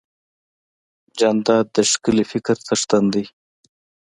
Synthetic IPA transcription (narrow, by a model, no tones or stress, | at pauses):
d͡ʒand̪ɑd̪əʂkəlifɪkɾt͡s̪ʰəʂt̪and̪i